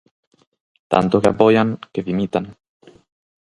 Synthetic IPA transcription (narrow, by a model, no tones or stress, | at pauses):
t̪a̰nt̪okeapojaŋkeβimit̪an